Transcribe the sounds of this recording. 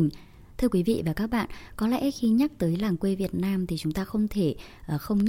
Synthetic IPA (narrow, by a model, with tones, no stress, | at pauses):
ŋ | t̪ʰɨ˧əkwi˨˦vḭ˧˨vaː˨˩kaː˦˥k̚ɓa̰ː˧˨nkɔ˨˦lɛ̰˧˥xi˧ɲa˦˥k̚t̪əː˨˦jlaː˧˩ŋkwe˧vi˨˩ət̚naː˧mt̪ʰi˨˩t͡ɕʊ˨˦ŋ͡mt̪aː˧xə˧wŋ͡mt̪ʰe˧˩ | ʔə˨˩xə˧wŋ͡mɲ